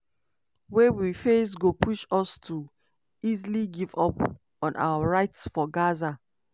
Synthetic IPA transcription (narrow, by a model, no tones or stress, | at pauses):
wewifes̬ɡopʰuʃɔstʰu | izliɡivɔp | ɔ̃nʔa̰waɹaɪtsfɔɡaza